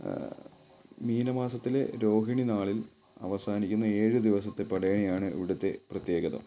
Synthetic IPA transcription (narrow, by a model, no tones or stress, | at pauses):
miːnɐmaːsɐt̪ːile̞̰ɾo̞ːɦiɳinaːɭil | ɐ̰ʋɐsaːnikʲːunːɐe̞ːɻɨd̪iʋɐsɐt̪ːepːɐɽɐjɐɳijaːɳɨḭʋiɽut̪ːe̞prɐt̪je̞ːɡɐðɐ̰m